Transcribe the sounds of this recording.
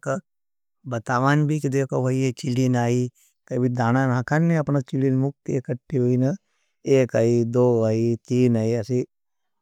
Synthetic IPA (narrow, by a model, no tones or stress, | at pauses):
ka | bɐt̪aːʋaːnbʱikid̪eːkʰoʋɐiet͡ʃilinaːi | kɐbʱid̪aːnanãːkʰanːeɐpnat͡ʃilinmuk̚t̪ekɐʈːiɦoːinɐ | eːkaid̪oːait̪iːnaːiɐsi